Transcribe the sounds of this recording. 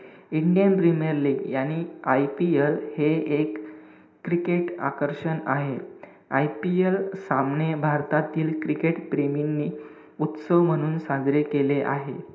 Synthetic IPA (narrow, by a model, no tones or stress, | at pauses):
iɳɖijənpɾiməɾliːɡjañiːajpielheekː | ɾikeʈa̰kəɾʂənaɦe | ajpielsamnebʱaɾt̪at̪iːlkɾikeʈpɾeminːiː | ut̪səʋm̤əɽ̃uːnsad͡zɾekeleʔa̰ɦe